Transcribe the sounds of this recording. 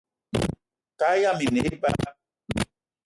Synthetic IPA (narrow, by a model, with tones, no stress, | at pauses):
ka˦ja˦˨mi˨ne˨˦ba̰˦˨